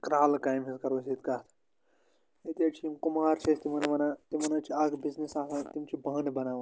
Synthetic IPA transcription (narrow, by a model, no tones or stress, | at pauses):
kɾaːlkaːjmɦizkɐɾosit̪kat̪ʰ | et̪jɐt͡ʃʰiimkumaːɾt͡ʃʰest̪imɐnɐʋɐnaːt̪imɐnɐt͡ʃʰiɐɡbiznisaːsʰat̪imt͡ʃʰibɐɦnbɐnaːʋ